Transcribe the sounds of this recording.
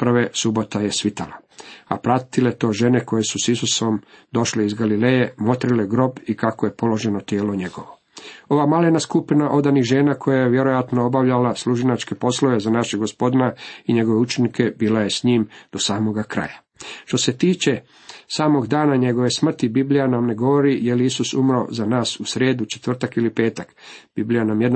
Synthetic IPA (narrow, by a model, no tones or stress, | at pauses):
pr̩ʋesubo̞t̪aje̞sʋit̪alaa̰pɾat̪ile̞t̪o̞ːʒe̞ne̞ko̞je̞susisusomd̪o̞ʃleizɡalilejemo̞t̪ɾileɡɾo̞bikakoje̞po̞lo̞ʒe̞not̪jeːlo̞ɲe̞ɡo̞ʋo̞ | o̞ʋamalenaskupinaʔo̞d̪anixʒeːnakʰo̞jajeʋje̞ɾo̞jat̪noobaʋʎalaslˠuʒinat͡ʃke̞po̞slˠoʋe̞zanaʃeɡospo̞d̪inaiɲe̞ɡo̞ʋeut͡ʃenike̞biːlaje̞sɲiːmd̪̥o̞saːmo̞ɡakɾa̰ja | ʃt̪o̞se̞t̪iːt͡ʃe̞ | saːmo̞ɡd̪aːnaɲe̞ɡo̞ʋe̞smr̩t̪ibiblʲijanamne̞ɡo̞ʋo̞ɾijeliisusumɾo̰zanaːsusɾe̞ːd̪ut͡ʃe̞̥t̪ʋr̩t̪akilipe̞ːt̪akb̥iblijanamjed̪n